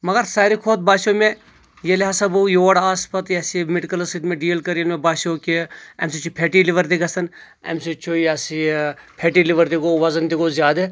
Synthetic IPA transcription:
mɐɡɐɾsaːɾikʰoːt̪̚baːʃome | jelʲɦasɐbujoːɽaːspɐt̪jɐsimeʈikɐlsiʈ̪meɖiːlkɐɾɐnmebaːʃoːkiɐ̰msit͡ʃʰupʰeːʈiliʋɐɾt̪ikɐsɐn | ḛmsit͡ʃʰujɐsipʰeʈiliʋɐɾt̪ikoʋɐzɐnt̪ikozʲjaːd̪e

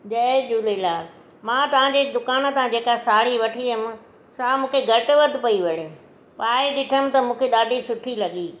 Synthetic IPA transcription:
d͡ʑɐd͡ʒuːlelaː | mãːt̪ɐʋ̤ãd͡ʑed̪ʊkaːn̆t̪ãd͡ʑeːkaesaːɽ̤iʋɐʈʰiəmɪ̆ | samũːkʰeɡʱɐʈʊʋɐd̪ʱɪ̆pɐiʋɐɽẽ | paːɪɗɪʈʰəmɪ̆t̪ɐmũːkʰeɗ̪aːɖʱisʊʈʰilɐɠiː

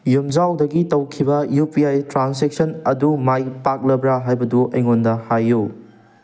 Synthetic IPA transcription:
jumd͡ʒawdɐɡitɐwkʰibɐjupiajtɾansek̚sɐnɐdumajpak̚lɐbɾaɦajbɐduʔɐjŋondɐhajːu

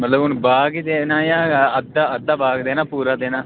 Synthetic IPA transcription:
mət̪ləbʊnbaːɡid̪eːnaːjãːəd̪aːəd̪aːbaːɡd̪eːnaːpuːɾaːd̪eːnãː

